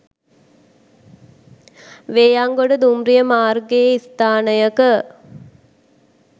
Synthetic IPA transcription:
ʋeːjaŋɡoɖəd̪umɾijəmaːrɡeist̪aːnəjəkə

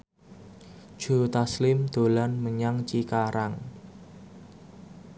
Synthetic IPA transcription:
ʒ̥o̤t̪aslɪmd̪̥o̤lanməɲaŋt͡ʃikaɾaŋ

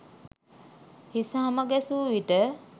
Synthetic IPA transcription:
hisaɦaməɡɛsuːʋiʈə

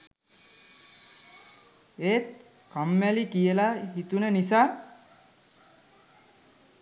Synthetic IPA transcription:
et̪̚ | kamːælikijelaɦit̪unenisa

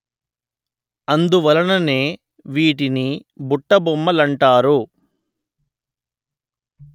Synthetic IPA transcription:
ɐnd̪uʋɐlɐnɐne̞ː | ʋiːʈ̬inibuʈːɐbɔmːɐlɐɳʈaːɾu

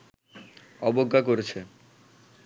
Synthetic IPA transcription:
ɔboɡʱːakoɾet͡ɕʰe

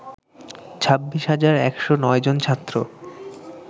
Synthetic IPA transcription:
t͡ɕʰabːiʃɦad͡ʑaɾɛkʃonɔed͡ʑont͡ɕʰat̪ːɾo

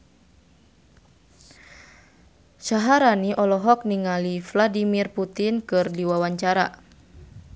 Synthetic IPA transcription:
saɦaɾaniʔɔlɔɦɔk̚niŋalifladimirput̪inkɨrdiwawaɲt͡ʃaɾa̰

